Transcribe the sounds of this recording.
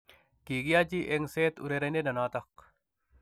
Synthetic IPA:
kiːɡijad͡ʒiʔeŋseːt̪ṵɾeɾɐnenɐnaːt̪ɐq

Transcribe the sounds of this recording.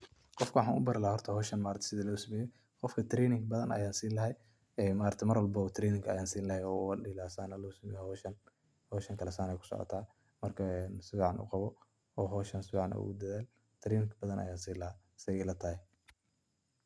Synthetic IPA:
qɔfkʰɐwɑħɑːnʊbɐɾɪlahahɔrt̪ʰɐhɔːʃɐnmaːɾɐt̪ʰɛ̥sɪðɐlɐɡsɐmɛːjɛ | qɔfkʰɐt̪ʰɾɛːnɪŋkbɐðɐnʔɐ̰jaːnsiːnlɐɦɛj | ɛmaːɾɐt̪ʰɛmɐrwɐlbɐʊt̪ʰɾɛːnɪŋkʰɐɐjaːnsiːnlɐhɛjɔːɗɪlaːsaːnɐlɔsɐmɛjhʃɐn | hɔːʃɐŋkʰɐlɛsaːnɛjkʰʊ̥sɔ̰ːʔɐ̰t̪ʰaː | mɐrkʰɐɛnsɪbʕɑnʔṵːqɑβɔ | ɔːɦɔːʃɐnsɪbʕɑnʔɐ̰ṵʊd̪ɐðaːl | t̪ʰɾiːnɪŋkʰbɐðɐnʔɐ̰jaːnsiːlɐha | sɪɛlɐt̪ʰaːhɛ

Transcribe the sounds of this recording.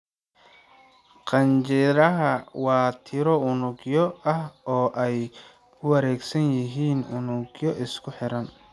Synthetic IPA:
qɑnt͡ʃɪɾɐɦɐwɑːt̪ʰɪɾɔʊnʊɡjɔɐhɔːʔɛj | kʰʊwɐɾɛːɡsɐnjɪɦiːnʊnʊɡjɔʔɪskʰʊħɪɾɐn

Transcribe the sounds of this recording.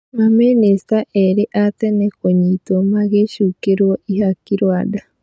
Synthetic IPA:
mamenest̪aʔeɾiʔat̪enekoɲit̪omaɣeʃukeɾwoʔihakiɾwada

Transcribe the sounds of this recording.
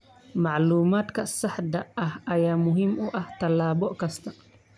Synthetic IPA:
maʕluːmaːt̪kɐsɐħd̪ɐɐhɐjaːmʊɦimʊʔɐht̪ɐlːaːbɔʔkɐst̪ʰɐ

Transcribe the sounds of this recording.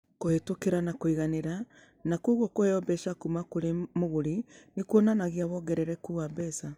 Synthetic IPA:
kohetokeɾanakoiɣaneɾa | nakuːɣokohɛɔbɛʃakumakoɾemoɣoɾinekwɔnanaɣiaβɔɡɛɾɛɾɛkuabɛsa

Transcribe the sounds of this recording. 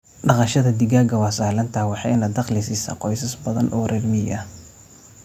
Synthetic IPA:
ɖɑqɑʃɐðɐd̪ɪɡaːɡɐwɑːsaːhlɐnt̪ʰɐwɑħɑjnɐd̪ɑqlɪsiːsa̰ːqɔjsɐsbɐðɐ̰nʔɔːrʔɛrmɪjɐ

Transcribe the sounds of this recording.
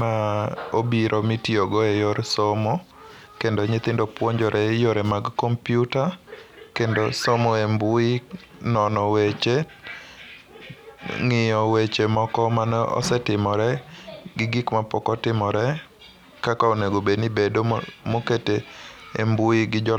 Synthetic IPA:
maobiɾʔɔmitioɡoejoɾsomo | kendoɲɪt̪ɪndopwoɲd͡ʒɔɾʔɛjoɾɛmaɡkɔmpjutakendosomoembʊi | nɔnɔwet͡ʃe | ŋɪjɔwet͡ʃemɔkɔmanɔ̰sɛtɪmɔɾɛɡɪɡikmapɔkɔtɪmɔɾɛ | kakaoneɡobenibedomoketḛːmbuiɡɪd͡ʒɔ

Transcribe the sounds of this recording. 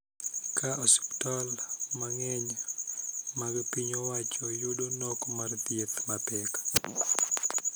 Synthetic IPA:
kʰaɔsi̥ptɔlmaŋɛɲ | maɡpiɲowat͡ʃɔjudonɔkɔmart̪jet̪mapɛk

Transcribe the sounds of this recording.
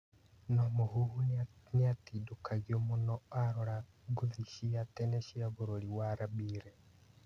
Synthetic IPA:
nɔmoɦuhuniatidokʰaɣiomonɔaɾɔɾa | ɡuðiʃiatɛnɛʃiaβuɾoliwaɾabiːɾɛ

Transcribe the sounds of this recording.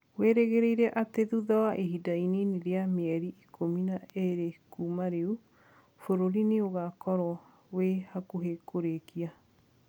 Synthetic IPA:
weɾeɣeɾeiɾɛʔateðuðawaʔeɦidaineneɾeameɛɾiʔikʰominaeɾekumaɾeu | foɾoɾineoɣakɔɾɔ | wehakuɦekoɾekia

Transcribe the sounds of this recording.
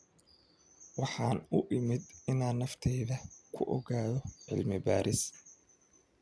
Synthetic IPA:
wɑħɑːnʊʔɪmɪd̪ɪnaːnːɐft̪ʰɛjðɐkʰʊʔɔ̰ɣaːðɔʕɪ̰lmɪba̰ːɾɪs

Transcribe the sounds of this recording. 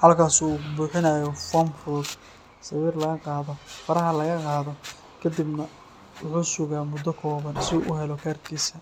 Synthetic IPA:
hɐlkʰaːsuːbuːħɪnɐːjɔfɔmfɾʊd̪ | sɑwiːrlɐɣɐqɑːðɔfɐɾɐɦɐlɐɣɐqɑːðɔ | kʰɐd̪ibnɐ | wʊħuːsʊɣaːmʊd̪ːɔkʰɔːβɐnsɪṵːʔʊɦɛlɔkʰaːrkʰiːsɐ

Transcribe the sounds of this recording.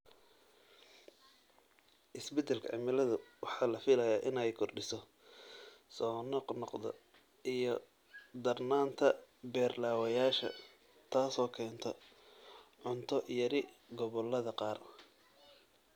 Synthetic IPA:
ʔɪsbɛt̪ʰɛlkʰɐ̰ʕɪ̰mɪlɐðʊwɑħɑːlɐfɪlɐjaːʔɪnɛjkʰɔrɖɪsɔ | sɔːnɔqnɔqd̪ɐ̰ | ijɔ | d̪ɐrnaːnt̪ʰɐbɛːrlaːwɐjaːʃɐ̰ | t̪ʰaːsɔːkʰɛːnt̪ʰɔ | ʕʊnt̪ʰɔjɐɾɪ | ɡɔβɔlːɐðɐqɑːr

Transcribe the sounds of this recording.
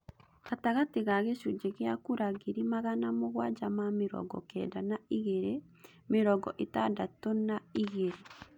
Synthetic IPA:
ataɣateɣaɣeʃud͡ʒeɣeakuɾaɣiɾimaɣanamoɣwad͡ʒamameɾɔ̰ɡɔ̰kɛ̰danaiɣeɾe | meɾɔɡɔʔetadatɔnaiɣeɾe

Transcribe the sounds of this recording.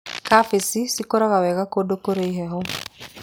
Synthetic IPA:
kafesisikɔɾaɣawɛɣakodokoɾeiɦɛɦɔ

